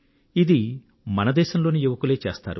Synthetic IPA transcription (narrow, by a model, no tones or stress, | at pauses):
id̪i | mɐnɐd̪ɛːʃɐmlo̞ːnijuʋɐkuleːt͡ʃeːst̪a̰ːɾu